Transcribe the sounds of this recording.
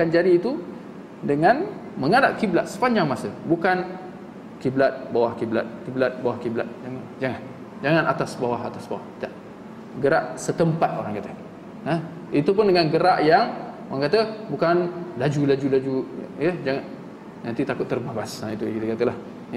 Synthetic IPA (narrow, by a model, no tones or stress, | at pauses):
akand͡ʒadiːt̪u | dəŋãnməŋadaʔ̚kiblat̪̚sə̥paɲd͡ʒaŋmasəbukan | kiblat̪̚bawahkibla̰t̪̚kiblat̪̚bawahkibla̰t̪̚d͡ʒaŋand͡ʒaŋan | d͡ʒaŋanat̪asbawaɦat̪asbawa̰hd̪aʔ | ɡəɾaʔsət̪əmpat̪̚o̰ɾaŋkat̪ə | ə | it̪up̬ʊndəŋanɡəɾaʔjaŋoɾaŋkat̪əbukanlad͡ʒulad͡ʒulad͡ʒujəd͡ʒaŋan | nant̪it̪akʊt̪ːərbabasait̪ṵkit̪əkat̪əlah | j